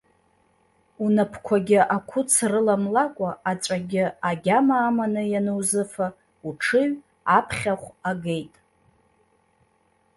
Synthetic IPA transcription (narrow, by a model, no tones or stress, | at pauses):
unapʰkʷʰaɡʲɪʔakʷʰʊt͡sʰrɨlamlakʷʼaat͡ʃʷʼaɡʲɪaɡʲamaːmanɨjanɨwzɨfa | uʈ͡ʂʰɨɥ | apʰχʲaχʷaɡe̞jtʼ